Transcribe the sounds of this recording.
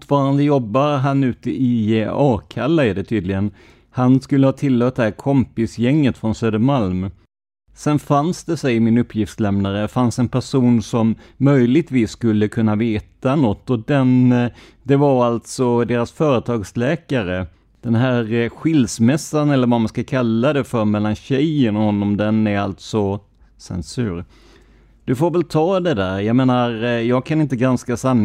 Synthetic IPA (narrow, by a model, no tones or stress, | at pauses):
ʈfɑːɾand̪əjɔbːaɾɦanʉ̟ːt̪əʔɪɑːkʰalːaɪd̪ɛt̪ʰyːd̪lɪɡən | hanskɵlːəhɑːt̪ʰɪlːøːt̪̚ɛhæːɾkʰɔmpɪsjɛŋːət̪fɾɔnsøːd̪əɾmalm | sɛnfansd̪ɛsɛjɪmɪnɵpʰːjɪft̪slɛmnaɾəfansɛnpʰæʂuːnsɔmːœjlɪɡ̚t̪viːsːkɵlːəkʰɵnːaveːt̪anɔt̪ːɔd̪ɛn | d̪ɛvaɾalt̪sɔd̪eːɾasfœːɾət̪ʰɑːɡslɛːkaɾə | d̪̥ɛnɦæːɾɧɪlsmɛsːanɛlːəɾvamanskakʰalːad̪ɛfœɾmɛlːanɕɛjənɔhɔnːɔmd̪ɛnæɾalt̪sɔ | sɛ̰nsʉːɾ | d̪̥ɵfoːɾvɛlt̪ʰɑːd̪ɛd̪æːɾjɑmeːnaɾjɑːɡ̚kʰanɪnt̪əɡɾanskasanː